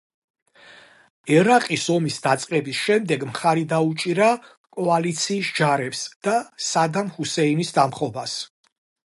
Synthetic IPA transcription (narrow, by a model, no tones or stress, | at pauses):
ɛɾaqʼisɔmisd̪at̪sʼqʼɛbisʃɛmd̪ɛɡmχaɾid̪aut͡ʃʼiɾa | kʼɔalit̪sʰiːsd͡ʒaɾɛpsd̪̥asad̪amhusɛinisd̪amχɔbas